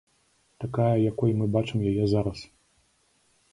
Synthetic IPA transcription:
t̪akajɐjakɔjmɨbat͡ʂɨmjajɛzaɾɐs

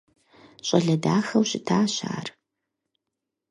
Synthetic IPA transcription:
ɕʼɐɮɐdaːxɐwɕʼɪtʰaːɕa̰ːr

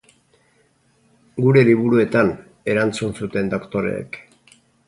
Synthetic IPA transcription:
ɡuɾe̞liβuɾue̞t̪an | e̞ɾant͡sunsut̪e̞nd̪okt̪o̞ɾe̞̰ːk

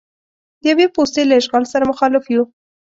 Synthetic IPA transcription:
d̪əjawepost̪elaɪʃɣɑlsaɾamʊxɑlɪfju

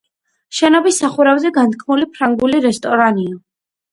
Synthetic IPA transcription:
ʃɛnɔbisːaχuɾavzɛɡant̪kʰmulipʰɾaŋɡuliɾɛst̪ʼɔɾaniɔ

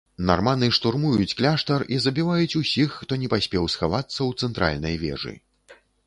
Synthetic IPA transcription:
na̰rmanɨʂt̪urmujut͡sʲklʲaʂt̪ɐrizɐbʲivajut͡sʲusʲixːt̪ɔnʲɛpasʲpʲɛwsxavat̪sːɐwt̪sɛnt̪ɾa̰lʲnɐjvʲɛ̰ʐɨ̰

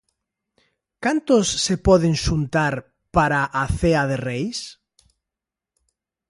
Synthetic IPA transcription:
kant̪osːepɔðeŋsunt̪aɾ | paɾaʔaθeaðerejs

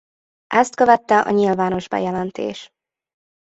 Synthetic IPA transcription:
ʔɛst̪køvɛt̪ːɛʔɒ̰ɲilvaːno̞ʒbɛ̰jɛlɛnt̪ḛːʃ

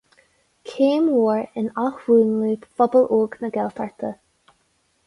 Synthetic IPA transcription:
kʰeːmwoːɹɪnaxɹuːnliːfɔbəlʔuːɡnəɡɛlt̪ʰaɹt̪ʰə

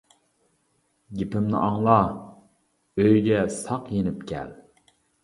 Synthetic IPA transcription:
ɡʲipʰɪmnɪ̰ʔɑŋlˠɑ | øjɡʲɛsɑqjenɪpkʲʰɛ̰l

